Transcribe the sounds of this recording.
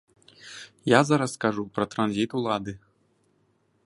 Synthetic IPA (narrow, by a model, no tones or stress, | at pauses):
jazaɾaskaʐupɾɐt̪ɾanzʲit̪ulˠad̪ɨ